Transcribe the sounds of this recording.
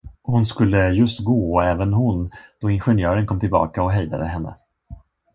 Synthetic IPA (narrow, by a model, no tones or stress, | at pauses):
hʊnskɵlːəjɵst̪ɡoːɔɛːvənɦʊnd̪̥ɔɪnɧɛnjœːɾənkʰɔmt̪ʰɪlbɑ̰ːkaɔɦɛjd̪a̰d̪əɦɛnːə̰